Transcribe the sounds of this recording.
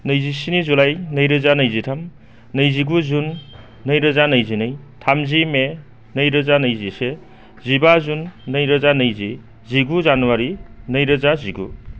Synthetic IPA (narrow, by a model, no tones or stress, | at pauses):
nɐjzisinizulajnɐjɾɯzanɐjzitʰam | nɐjziɡuzunː | ɐjɾɐzanɐjzinɯj | tʰamzime | nɐjɾɐzanɐjzise | zibazunːɐjɾɐzanɐjzi | ziɡuzanwaɾinɐjɾɐzaziɡṵ